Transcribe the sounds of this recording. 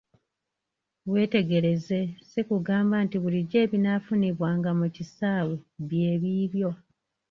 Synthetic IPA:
βwe̞ːte̞ɡe̞ɾe̞ze̞sekuɡaːmbantiβuliɟe̞ːβinafuniβwaːŋɡamucisaːweβje̞ːβiːβjo̞

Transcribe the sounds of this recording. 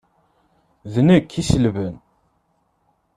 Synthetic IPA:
ðnəkʰːiʃəlvən

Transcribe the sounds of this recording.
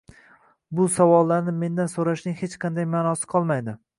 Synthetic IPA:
bʊsavɒlˠːaɾnɪme̞nd̪ansoɾaʃnɪŋhet͡ʃqʰɑnd̪ajmaːnɒsɪ̥qʰɒlˠmajd̪ɪ

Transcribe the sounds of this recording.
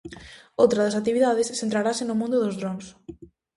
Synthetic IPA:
owt̪ɾɐðɐsakt̪iβiðaðesθent̪ɾaɾasenomũnd̪ʊðozðɾoms

